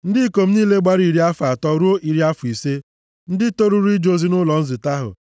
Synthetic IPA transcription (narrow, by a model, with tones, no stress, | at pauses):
n̩˦dɪ˦ko˨m̩˦niː˦le˦ɡ͡ba˦ɾi˨ɾi˦a˦fa˨tɔ˦ɾu˦o˦ʔi˨ɾi˦a˦fʊ˨i˨se˦ | n̩˦dɪ˦to˦ɾu˦ɾu˦i˦d͡ʒo˦zi˦nʊ˦lɔ˨n̩˦zɪ˨ta˦ɦʊ̰˨